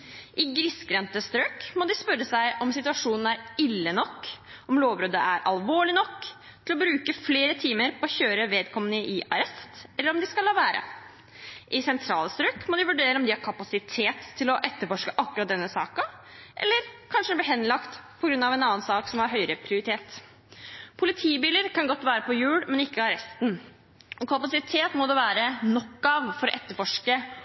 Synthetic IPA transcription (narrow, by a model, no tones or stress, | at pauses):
ʔɪɡɾɪskɾɛnt̪əst̪ɾøːkmɔd̪ɪspœɾəsæɪʔɔmsɪt̪ʉɑʂuːnn̩æɾɪlːənɔkːɔmloːʋbɾɔd̪əʔæɾʔɑ̰lʋoːɭɪnɔkː | tt̪ʰɪlɔbɾʉːkəfleːɾət̪ʰiːməɾpʰɔːçøːɾəʋeːd̪kʰɔmənəʔɪʔɑɾɛst̪ɛlːəɾɔmd̪ɪskɑlɑːʋæːɾʔə̰ | ʔɪsɛnt̪ʰɾɑːlst̪ɾøːkmɔd̪ɪʋʉɖeːɾəɔmd̪ɪhɑɾkʰɑpɑsɪt̪ʰeːt̪ʰːɪlɔʔɛt̪ːəɾfɔʂkəʔɑkːʉɾɑt̪̚d̪ɛnːəsɑ̰ːkɑʔɛ̰lːəɾkʰɑnʂəd̪ɛb̪liɦɛnːlɑkt̪pʰɔɡɾʉnːɑʋɛnɑːənsɑːksɔmhɑɾɦœʏɾəpʰɾɪʊɾɪt̪ʰeːt̪ | pʰʊlɪt̪ʰiːbiːləɾkʰɑnɡɔt̪ːʋæːɾəpʰɔjʉːɽmɛnɪkːəɑɾɛst̪n | ɔkʰɑpɑsɪt̪ʰeːt̪mɔd̪ɛʋæːɾənɔkːɑʋfɔɾɔʔɛt̪ːəɾfɔʂkə